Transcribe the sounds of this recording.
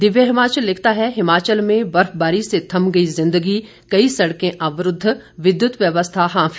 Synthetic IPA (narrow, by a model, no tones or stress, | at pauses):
d̪ɪʋjəɦɪmaːt͡ʃəlːɪkʰt̪aɦɛɦɪmaːt͡ʃəlmẽbɐɾfbaːɾiset̪ʰɐmɡɐizɪ̃nd̪əɡi | kɐisɐɽkẽʔaːʋɾʊd̪ʱːʋɪd̪jʊt̪ʋjəʋəst̪ʰaɦãːf